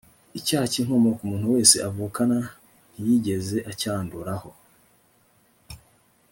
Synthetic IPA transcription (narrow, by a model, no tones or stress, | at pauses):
icaːhaciŋ̥omokumuːn̥huwe̞ːse̞ʔavuːkana | n̥ijiɟe̞ze̞ʔacaːnduɾaho̞